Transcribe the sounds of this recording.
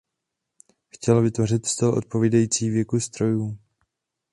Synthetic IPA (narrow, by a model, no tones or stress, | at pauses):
xcɛlvɪt̪vo̞rɪt̪st̪ɛlʔo̞̰t̪̚po̞viːdajiːt͡siːvjɛkust̪ɾo̞juː